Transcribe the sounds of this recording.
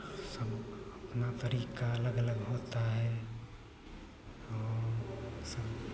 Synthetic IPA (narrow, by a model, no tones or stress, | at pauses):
sɐbɐpnat̪əɾiːkaɐləɡələɡɦoːt̪aɦɛː | ɔː | səb